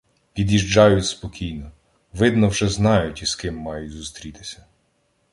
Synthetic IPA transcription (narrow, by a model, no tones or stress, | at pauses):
pʲid̪ʲiʒd͡ʒɑjʊtʲspɔkʲʰijnɔ | ʋɪd̪nɔwʒɛznɑjʊtʲiskɪmːɑjʊtʲzust̪ɾʲit̪ɪ̥sʲɐ̥